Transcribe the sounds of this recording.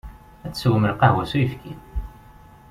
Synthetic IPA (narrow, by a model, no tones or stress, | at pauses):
æt͡sːswəməlqɑɦwæsujəfkin